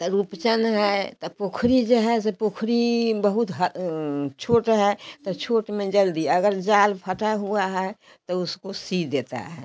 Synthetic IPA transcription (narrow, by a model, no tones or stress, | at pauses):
t̪ɔɾupt͡ʃənɦɛt̪ɔpokʰɾid͡ʒeɦɛsepokʰɾibəɦut̪ɦət͡ʃʰoːʈɦɛt̪ɔt͡ʃʰoːʈmẽd͡ʒəld̪iɐɡəɾd͡ʒaːlpʰəʈaɦuaɦɛ | t̪ɔʊskosid̪eːt̪a̰ɦɛ̰